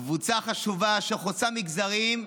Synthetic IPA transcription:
kvut͡saχaʃuvaʃeχot͡samiɡzaʁim

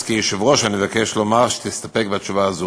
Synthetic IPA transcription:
kiʃevʁoʃanivakɛʃlomaʁʃt̪ist̪apɛk̚beat͡ʃuvaːzu

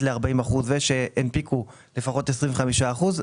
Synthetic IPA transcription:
leaʁbaimaχuzveʃeʔenpiku | lefaχo̞t̪es̬ʁiɱveχamiʃaːχuz

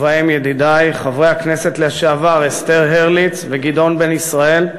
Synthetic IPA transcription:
vaimjed̪id̪ajχavʁejhakne̞se̞t̪leaʃeavaʁest̪eʁɦeʁlit͡sveɡid̪o̞nbe̞nisʁae̞l

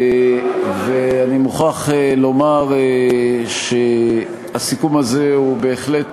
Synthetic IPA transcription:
veanimuχaχelo̞maʁ | ʃe | asikumaze̞ube̞ːχle̞t

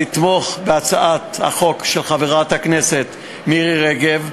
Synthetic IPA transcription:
it̪mo̞χbeat͡saʔat̪ha̰χo̞kʃelχaveʁat̪haknese̞t̪ | miʁiʁeɡev

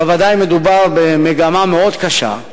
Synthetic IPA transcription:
evad̪ajme̞d̪ubaʁbemeɡamameo̞d̪kaʃa̰

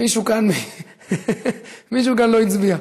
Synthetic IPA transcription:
iʃukanmi | miʃ̬ukanloit͡sbia

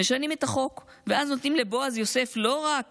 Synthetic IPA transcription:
eʃanimetaχo̞k | veaznot̪nimle̞bo̞azjo̞se̞flo̞ʁak

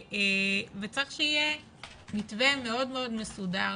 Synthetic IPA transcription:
evet͡saʁeχʃeije | mitvemeo̞dmeodmesuda

